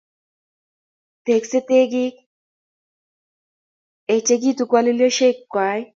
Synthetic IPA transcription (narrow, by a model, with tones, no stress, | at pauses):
te˨kse˦t̪e˦ɡɪ˦k | e˨t͡ʃe˦ɡi˦tu˨kwa˦li˦ljo˦ʃe˦kːwa˨˦j